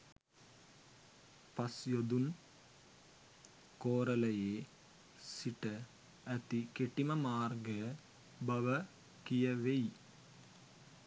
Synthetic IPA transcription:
pɐsjod̪un | koːɾɐlɐjeː | siʈɐ | ɐt̪ikeʈimɐmaːrɡɐ | bɐʋɐ | kijɐʋej

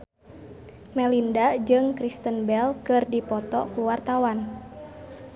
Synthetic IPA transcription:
mɛlindad͡ʒɨŋkɾist̪ənbɛlkɨrdipɔt̪ɔkuwart̪awan

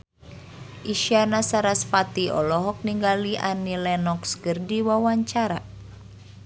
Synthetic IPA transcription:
ʔiʃianasaɾaspat̪iɔ̰lɔɦɔk̚niŋɡaliʔa̰nilɛnɔkskɨrdiwawaɲt͡ʃaɾa

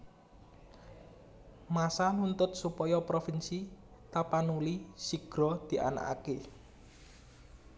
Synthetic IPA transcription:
masanunt̪ʊt̪̚supɔjɔpɾofinsi | t̪apanulisiɡ̥ɾɔd̪̥i̤ʔa̰na̰ka̰ke

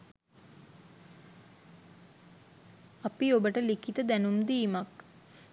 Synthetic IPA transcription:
apiobəʈəlikit̪əd̪ænumd̪iːmak

